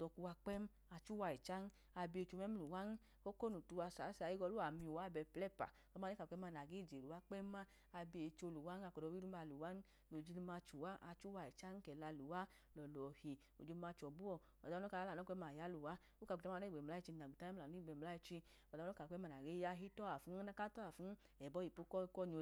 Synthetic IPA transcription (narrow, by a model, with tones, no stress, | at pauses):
dɔ˧ku˧wa˧k͡pɛ˦m˦ | a˧t͡ʃu˦wa˧i˨t͡ʃa˦n˦ | a˧bi˧e˧˨t͡ʃo˧mɛ˦m˦lu˨wa˦n˦ | ko˦ko˦nu˨tu˧wa˧sa˨˦sa˧˨ji˦ɡɔ˧lu˦a˨mi˧u˨wa˦˨bɛ˧plɛ˦pa̰˨lɔ˦m˦a˧˦i˦ka˨k͡pɛ˦m˦a˧na˨ɡe˦˨d͡ʒe˨lu˨wa˦k͡pɛ˦ma˦ | a˧bi˧e˨t͡ʃo˧lu˨wa˦n˦a˧kɔ˨dɔ˧wi˦ɾu˦ma˧˨lu˨wa˦n˦ | lo˨d͡ʒi˧lu˧ma˧t͡ʃu˨wa˦ʔa˧t͡ʃu˦wa˧i˨t͡ʃa˦n˦kɛ˨la˧lu˨wa˦ | lɔ˨lɔ˨hi˨ | o˨d͡ʒi˧u˧ma˧t͡ʃɔ˨bu˦ɔ˨ | ɔ̰˨dɔ˦ka˧a˦la˨nɔ˦kʷɛ˦ma˨ja˦lu˨wa˦ | o˦ka˧˨ta˦˧˦i˦˨ɡ͡bɛ˨la˦i˧t͡ʃi˧na˨u˨ta˦m˦a˨n˦i˦ɡ͡bɛ˧˨m̩˧la˦i˧t͡ʃi˧ | ɔ˨˧˦ɔ˦ka˨k͡pɛ˦ma˧na˨ɡe˨˦ja˦ɦi˦tɔ˦a˨fu˨˦a˦ka˦tɔ˦a˨fu˨˦n˦ | ɛ˨bɔ˦i˨po˧˦kɔ˦˧˦kɔ˦˨ɲo˧